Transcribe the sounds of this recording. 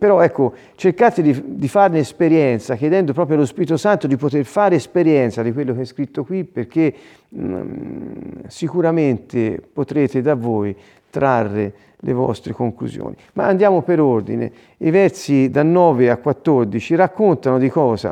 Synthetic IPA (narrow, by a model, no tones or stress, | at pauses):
peɾɔɛkːo | t͡ʃerkaːt̪ed̪id̪ifarneːspeɾjɛnt̪sak̟jed̪ɛnd̪opɾɔːp̬ɾjoalospiɾit̪osant̪od̪ipot̪erfaːɾeːspeɾjɛnt̪sad̪ikwelːokeɛskɾit̪ːokwipːerk̟e | sikuɾament̪epot̪ɾeːt̪ed̪avoj | t̪ɾarːe | lḛvɔ̰st̪ɾekoŋklṵzjo̰ːnima̰ːnd̪jaːmopeɾord̪ḭnḛ | ivɛrt̪sid̪anːɔːveakːwat̪ːord̪it͡ʃirakːont̪anod̪ikɔːza̰